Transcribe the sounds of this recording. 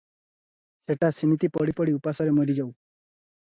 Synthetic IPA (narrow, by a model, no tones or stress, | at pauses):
seʈasimit̪ipɔɽipɔɽiupasɔɾemoɾid͡ʒaw